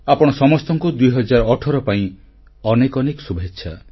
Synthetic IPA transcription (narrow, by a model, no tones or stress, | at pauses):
apɔɽ̃ɔsɔmɔst̪ɔŋkud̪ujɦɔd͡ʒaɾɔɔʈʰɔɾɔpaĩ | ɔnekɔnekɔsubʱetːʃʰa